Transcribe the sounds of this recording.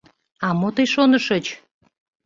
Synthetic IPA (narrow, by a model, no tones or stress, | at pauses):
ɑmot̪əjʃonəʃət͡ɕ